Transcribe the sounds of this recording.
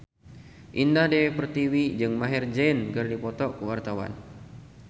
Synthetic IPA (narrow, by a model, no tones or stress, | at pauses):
ʔindahdepərt̪iwid͡ʒɨŋmaɦɛrd͡ʒɛnkɨrdipɔt̪ɔkəwart̪awa̰n